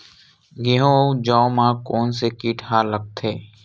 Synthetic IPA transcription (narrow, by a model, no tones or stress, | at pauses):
ɡeɦõd͡ʒaomãːkoːnsekiːʈʰaːləɡ̚t̪ʰeː